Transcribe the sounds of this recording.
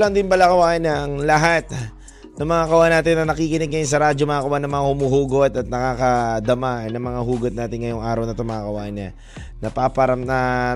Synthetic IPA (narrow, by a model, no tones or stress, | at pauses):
laŋd̪ɪnbɐlakɐwaːʔɪnɐɐŋlɐɦat̪̚ | nɐŋmɐŋakɐwaːʔanːaːt̪ɪnːɐnɐkiːkɪnɛɡ̚ŋɐjons̬ɐɾaːd͡ʒomɐakɐwanːɐŋmɐŋahʊmuɦuːɡot̪ɐt̪̚nɐkaːkɐd̪ɐmaʔnɐŋmɐŋahuːɡot̪̚naːt̪ɪnŋɐjoŋʔaːɾɐwnɐt̪omaŋakɐwa̰ːʔɪnːɐ | nɐpapɐɾɐmnɐ